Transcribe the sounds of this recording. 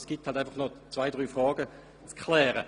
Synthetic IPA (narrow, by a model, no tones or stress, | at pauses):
sɡ̥ithaltaɪfɐχnɔt͡svaɪdʁyːfʁɑːɡə | t͡skχlɛːʁə